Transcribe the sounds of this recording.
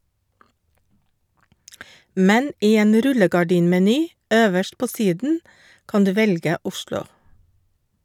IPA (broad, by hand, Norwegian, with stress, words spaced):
ˈmɛn ˈiː ˈeːn ˈɾʉləɡɑˌɖiːnmɛˌnyː ˈøːʋəʃʈ ˈpoː ˈsiːdn̩ ˈkɑn ˈdʉː ˈʋɛlɡə ˈʊʃlʊ